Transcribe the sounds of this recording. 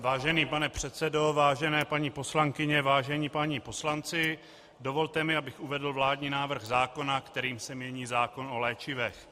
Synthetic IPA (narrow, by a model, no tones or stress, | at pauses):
vaːʒɛniːpanɛpr̝̥ɛt̪t͡sɛdo̞vaːʒɛnɛːpaɲiːpo̞slaŋkɪɲɛvaːʒɛɲiːpaɲipo̞slant͡sɪ | do̞vo̞lt̪ɛmɪabɪxuvɛdl̩vlaːdɲiːnaːvr̩ɣzaːko̞nakt̪ɛɾiːmsɛmɲɛɲiːzaːko̞no̞lɛːt͡ʃɪvɛx